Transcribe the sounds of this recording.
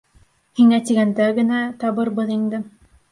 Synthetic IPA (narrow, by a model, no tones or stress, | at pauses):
hiŋæt̪iɡænd̪æɡɘ̆næt̪ɑβɤɾbɤðind̪ɘ